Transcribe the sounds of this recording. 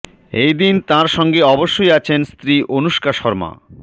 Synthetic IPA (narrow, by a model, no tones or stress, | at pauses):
ejd̪int̪ãɾʃɔŋɡeɔboʃːojat͡ɕʰenst̪ɾiʔonuʃkaʃɔɾma̰